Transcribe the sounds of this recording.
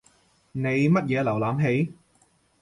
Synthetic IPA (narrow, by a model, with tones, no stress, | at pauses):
ne˨˧jmɐ˥t̚jɛː˨˧lɐ˨˩wlaː˨˧mɦe˨˥j